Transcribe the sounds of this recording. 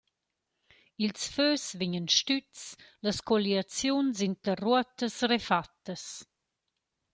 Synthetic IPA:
ilsføːsviɲənʃt̪ytt͡sləskɔliat͡sjunsint̪əruət̪əsrefat̪ːəs

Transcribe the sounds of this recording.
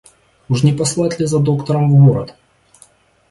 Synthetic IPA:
uʂnʲɪpɐslˠatʲlʲɪzɐd̪o̞kt̪əɾəmvɣoɾət̪

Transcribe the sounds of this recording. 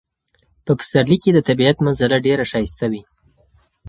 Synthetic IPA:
pəpʊ̥st̪aɾliked̪ət̪abiat̪manzalaɖeɾaʃajst̪awi

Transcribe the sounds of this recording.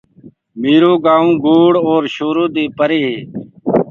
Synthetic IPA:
meːɾoːɡaːũːɡoːɽoːɾʃoːɾoːd̪eːpəɾeːɦeː

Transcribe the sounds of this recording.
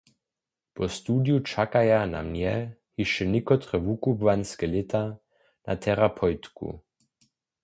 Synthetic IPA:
pɔst̪uːdjut͡ʃakajana̰mʲjɛhiʃɛnɪkɔt̪ɾɛvukubvanskɛlɪt̪ʰa | na̰t̪ʰɛɾapʰɔjt̪kṵ

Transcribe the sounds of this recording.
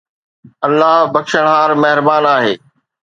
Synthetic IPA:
ɐlːaɦbɐkʃəɽ̃ɦaːɾmɐɦɪɾbaːnaːɦeː

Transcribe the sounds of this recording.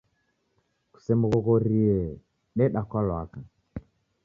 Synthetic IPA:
ku̥sɛmuɣɔɣɔɾiɛ | ɗɛɗakwalwaka

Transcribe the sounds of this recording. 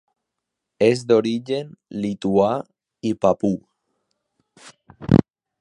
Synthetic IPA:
ezd̪oɾid͡ʒenlit̪ua | ipapu

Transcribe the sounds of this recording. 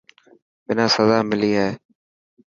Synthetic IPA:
bɪnãːsəzaːmɪliːɦɛː

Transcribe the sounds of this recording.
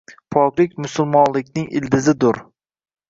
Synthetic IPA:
pʰɒkʲlɪkʲmʊsʊlˠmɒnlɪkʲnɪŋʔɪ̰ld̪ɪzɪd̪ʊɾ

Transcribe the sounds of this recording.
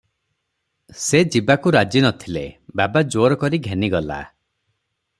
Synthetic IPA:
sed͡ʒibakuɾad͡ʒinɔt̪ʰilḛbabad͡ʒoɾɔkɔɾiɡʱeniɡɔla̰

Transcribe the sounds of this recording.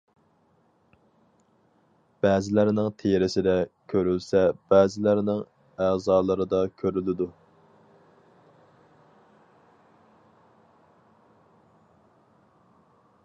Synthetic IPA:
b̥ɛːzɪlæɾnɪŋt̪ʰejɾɪsɪd̪ɛkʲʰøɾylsɛb̥æːzɪlæɾnɪŋ | æːzɑːlˠɨɾɨd̪ɑkʲʰøɾylɪd̪u

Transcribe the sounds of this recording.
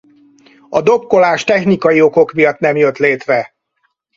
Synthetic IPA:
ɒd̪o̞p̚ko̞laːʃt̪ɛxnikɒjio̞ko̞kmijɒt̪nɛmjøt̪leːt̪rɛ

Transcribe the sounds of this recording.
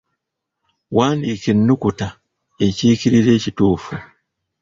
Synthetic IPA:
waːndikinːukuta | eciːkiɾiɾe̞cituːfu

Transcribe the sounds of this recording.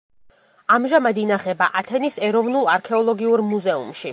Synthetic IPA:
amʒamad̪inaχɛbaʔat̪ʰɛnisɛɾɔvnulˠaɾkʰɛɔlˠɔɡiuɾmuzɛṵmʃi

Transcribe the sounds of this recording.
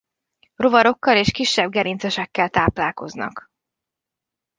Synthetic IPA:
ro̞vɒɾo̞kːɒleːʃkiʃːɛb̚ɡɛɾint̪sɛʃɛkːɛlt̪aːplaːlko̞znɒ̰k

